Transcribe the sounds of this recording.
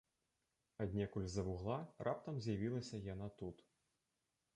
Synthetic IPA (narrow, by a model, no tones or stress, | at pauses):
ɐd̪ʲnʲɛkulʲzɐvuɣlˠarʔap̚t̪ɐmzʲjavʲilˠɐsʲɐjanat̪ut̪